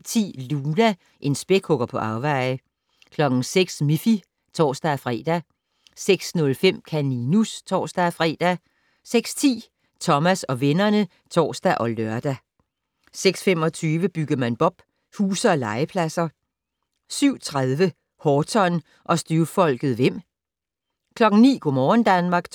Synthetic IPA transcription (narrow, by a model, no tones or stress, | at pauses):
t͡sʰḭːluːnæ | ʔe̝nsb̥e̝ɡ̥hɔ̽ɡ̥ɐpʰɒ̽ʔɑ̈ʊʋɑ̈ɪ̰ə | kʰlɒ̽ɡ̥ŋ̩seɡ̥smifi | t͡sʰɒ̰ːsd̥æfʁɛ̰d̥æ | seɡ̥snɔ̽lfem̰kʰæninust͡sʰɒ̰ːsd̥æfʁɛ̰ːd̥æ | seɡ̥st͡sʰḭː | t͡sʰɒ̽mæsɒ̽ʋenɐnə | t͡sʰɒ̰ːsd̥æʔɒ̽løɐd̥æ | seɡ̥sfem̰ɒ̽t͡sʰyːʋəb̥yɡ̥əð̩ˠmænb̥ɒ̽b̥ | huːsɐ̽ːlɑ̈ɪəpʰlæsɐ | syʊ̰t͡sʰʁaðˠʋə | hɒːt͡sʰɒ̽n | ʔɒ̽sd̥yɐfɒ̽l̰ɡ̥ð̞̩ˠʋem̰ | kʰlɒ̽ɡ̥n̩nḭːɡ̥ɔmɒːn̩d̥ænmɑ̈ːɡ̥